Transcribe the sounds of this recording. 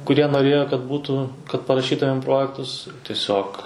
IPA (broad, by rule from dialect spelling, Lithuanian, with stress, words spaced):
kʊˈrʲiɛ noːˈrʲeːjoː kɐt ˈbuːtuː kɐt pɐrɐˈʃʲiːtʊmʲeːm ˈproːjɛktʊs tʲiɛˈsʲoːk